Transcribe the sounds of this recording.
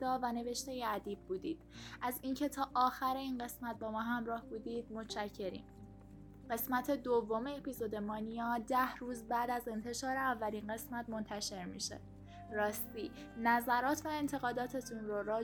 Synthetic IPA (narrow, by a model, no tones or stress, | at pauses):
d̪ɒːvæne̞ve̞ʃt̪e̞jeæd̪iːbbuːd̪iːd̪̥ʔæziːncʰe̞t̪ʰɒːʔɒːxæɾeiːnɢe̞smæt̪̚bɒːmɒːɦæmɾɒːhbuːd̪iːd̪̥̚mo̞tt͡ʃæcʰːe̞ɾḭːm | ɢe̞smæt̪ʰe̞d̪ovːo̞me̞ːpʰizod̪e̞mɒːnijɒːd̪æhruːzbæːd̪æze̞nt̪ʰe̞ʃɒːɾeævːælinɢe̞smæt̪mo̞nt̪ʰæʃe̞ɾmḭʃo̰d̪̥̚ | rɒːst̪iː | næzæɾɒːt̪ʰvæe̞nt̪ʰe̞ɣɒːd̪ɒːt̪ʰe̞t̪ʰunroɾɒː